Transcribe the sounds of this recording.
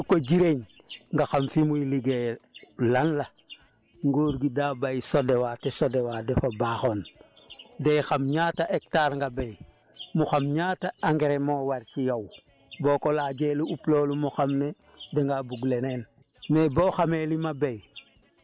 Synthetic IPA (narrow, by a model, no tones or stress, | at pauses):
koɟiɾeɲ | ŋɡaxamfimuliɡelaŋla | ŋɡoːɾɡidaːbajsodewatesodewadefabaxon | dejxamɲaːtaʔek̚taːɾŋɡabej | muxamɲaːtaaŋɡeɾemowaɾcijaw | boːkolaːɟeluʔuploːlumuxamne | deŋɡabuɡleneːn | meboːxamelimabej